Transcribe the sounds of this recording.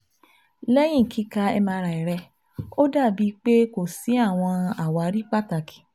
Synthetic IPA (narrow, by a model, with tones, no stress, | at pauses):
lɛ˦j̃ĩ˦˨kʰi˨˦ka˧ɛ̰˧mã˧ɾa˨i˨ɾɛ˧ | o˦da˦˨bi˨˧˦k͡pe˦ko˦˨si˨˦a˦˨w̃ɔ̃˧a˨wa˨˦ɾi˦k͡pa˦˨ta˨ki̥˨